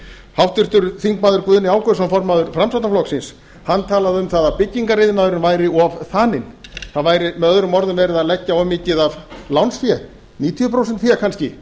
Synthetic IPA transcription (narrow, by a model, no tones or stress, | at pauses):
hawht̪ʏr̥t̪ʏɾθiŋkmaːðʏɾkvʏːðnɪaːwkœsamfɔɾmaːðʏɾfɾamsawt̪naflɔksɪns | hanːt̪ʰaːlaðʏmθaðapɪcːiŋkaɾrɪðnaːðʏɾɪnvaːjɾɪɔvθaːnɪnθaðvaːjɾɪmɛðœðɾʏmɔɾðʏmvɛːɾɪðaðlɛcːaɔmɪːcɪðavlawnsfjɛ | niːt̪ʰiʏpʰɾowsɛnt̪θiːɣakʰanscɪ